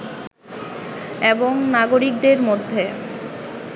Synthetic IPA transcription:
eboŋnaɡoɾik̚d̪eɾmod̪ʱːe

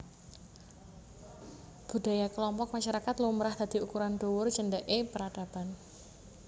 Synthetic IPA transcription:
b̥ṳd̪̥a̤jakəlɔmpɔk̚maʃaɾakat̪lomɾahd̪̥a̤d̪̥i̤ukuɾand̪owʊrd͡ʒənɖɛʔepəɾad̥ab̥an

